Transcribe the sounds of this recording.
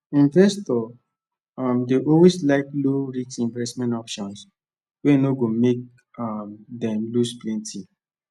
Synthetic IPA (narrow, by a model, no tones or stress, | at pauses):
ĩɱvɛstɔ | amdeʔɔweslaɪkloɹit͡ʃsĩɱvɛstmɛ̃ntɔpʃɔ̃ns | wenoɡomek̚ | amdɛ̃mlusplɛ̃nti